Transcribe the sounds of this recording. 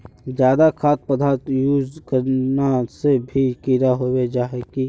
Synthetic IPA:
d͡ʒjaːd̪akʰaːt̪̚pəd̪ʱaːɾt̪juːd͡ʒkəɾnasebʱikiːɾaɦoːwed͡ʒaːɦeki

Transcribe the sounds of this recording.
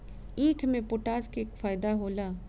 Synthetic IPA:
iːkʰmẽpoːʈaːskekfaːɪd̪aɦoːlaː

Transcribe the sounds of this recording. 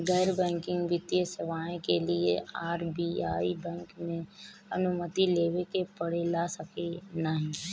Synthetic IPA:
ɡəːɾbɛ̃ːŋkɪ̃ŋɡʋɪt̪iəseʋaːẽkeliḛaːɾbiːaːibɛ̃ːŋkmẽɐnʊmət̪ileːʋekepəɽ̤elaːsəkenəɦĩ

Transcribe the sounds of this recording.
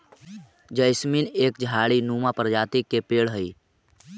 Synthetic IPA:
d͡ʒəɪsmineːkd͡ʒʱaːɽinuːmapɾd͡ʒaːt̪ikepeːɽɦəi

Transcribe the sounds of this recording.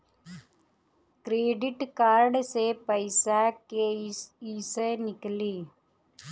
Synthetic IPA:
kɾeːɖiʈkaːɾɖsepɐɪsaːkesiːsɐnɪkːɐliː

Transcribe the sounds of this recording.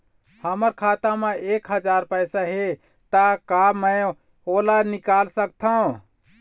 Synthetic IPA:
həməɾkʰat̪ameekɦəd͡ʒaɾpəjsaɦe | t̪akaməj | olanikalsək̚t̪ʰəũ

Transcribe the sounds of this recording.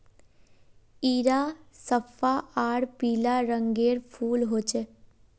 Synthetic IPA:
iːɾasəpʰːaaːɽpiːlaɾə̃ŋɡeːɾpʰuːlɦoːt͡ʃe

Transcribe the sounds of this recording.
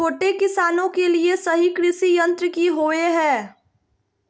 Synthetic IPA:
oːʈekɪsaːnõkeliesɐɦikɾɪʃijɐ̃nt̪ɾəkiɦoːeɦɛ̃ː

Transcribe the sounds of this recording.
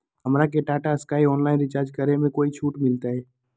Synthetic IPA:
ɦɐmɾak̬eʈaːʈaɪskaːiɔːnlaːɪnɾɪt͡ʃaːɾd͡ʒkəɾemẽkoːit͡ʃʰuːʈmɪlt̪aɦɛː

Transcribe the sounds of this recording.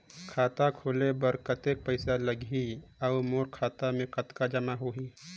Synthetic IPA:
kʰaːt̪akʰoːlebəɾkət̪ek̚pəɪsaləɡʱiəmoːɾkʰaːt̪amẽkət̪kad͡ʒəmaɦoːɦi

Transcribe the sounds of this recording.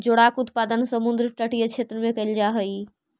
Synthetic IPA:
d͡ʒoɽakʊt̪paːd̪ənsəmʊ̃nd̪ɾəʈəʈijət͡ʃʰeːt̪ɾəmẽkɐɪld͡ʒaːɦɐi

